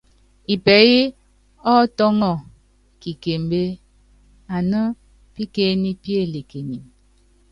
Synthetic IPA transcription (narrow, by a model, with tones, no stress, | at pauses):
i˨pɛ˨ɣi˦ | ɔ˦tɔ˦ŋɔ˨ | ki˨ke˨m˨be˦ | a˨nə˦ | pi˦ke˦ni˦pi˦e˦˨le˨ke˨ni˨m